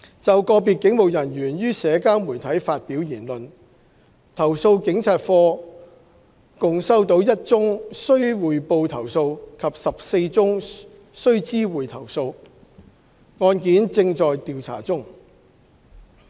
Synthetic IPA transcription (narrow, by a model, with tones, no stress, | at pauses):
t͡sɐ˨wkɔː˧piː˨t̚kɪ˨˥ŋmo˨wjɐ˨˩njyː˨˩njyː˥sɛː˨˧kaː˥nmuː˨˩jt̪ʰɐ˨˥jfaː˧t̚piː˨˥wjiː˨˩nlɵ˨n | t̪ʰɐ˨˩wso˧wkɪ˨˥ŋt͡sʰaː˧t̚fɔː˧ | kʊ˨ŋsɐ˥wt̪o˨˥wjɐ˥t̚t͡sʊ˥ŋsɵ˥ɥwuː˨˩jpo˧wt̪ʰɐ˨˩wso˧wkʰɐ˨˩p̚sɐ˨p̚se˧jt͡sʊ˥ŋ | sɵ˥ɥt͡siː˥wuː˨jt̪ʰɐ˨˩wso˧w | ŋɔː˧nkiː˨˥nt͡sɪ˧ŋt͡sɔː˨jt̪iː˨wt͡sʰa̰ː˨˩t͡sʊ˥ŋ